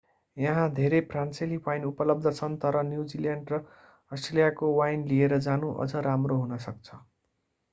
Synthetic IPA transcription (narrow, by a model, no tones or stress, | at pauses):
jʌɦãd̪ʱeɾepranselikwajnupʌlʌb̚d̪ʱʌt͡sʰʌnt̪ʌɾʌnjud͡ziljaɳɖrʌ | ʌsʈrelijakowajnlieɾʌd͡zanũʔʌ̰d͡zʌɾamroɦunʌsʌk̚t͡sʰʌ̥